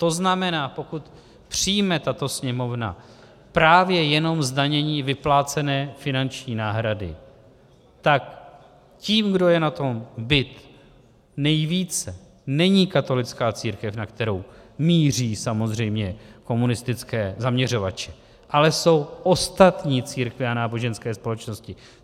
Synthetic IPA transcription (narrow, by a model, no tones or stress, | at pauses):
t̪o̞znamɛnaːpo̞kut̪ | pr̝̥ijmɛt̪at̪o̞sɲɛmo̞vna̰ | pɾaːvjɛjɛno̞mzdaɲɛɲiːvɪplaːt͡sɛnɛːfɪnant͡ʃɲiːnaːɦɾadɪ̰ | t̪ak | ciːmɡdo̞jɛnat̪o̞mbɪt̪ | nɛjviːt͡sɛ | nɛɲiːkat̪o̞lɪt͡skaːt͡siːɾkɛfnakt̪ɛɾo̞wmiːriːsamo̞zr̝ɛjmɲɛko̞munɪst̪ɪt͡skɛːzamɲɛr̝o̞vat͡ʃɛ̥ | ʔalɛso̞wʔost̪at̪ɲiːt͡siːɾkvɪanaːbo̞ʒɛnskɛːspo̞lɛt͡ʃno̞scɪ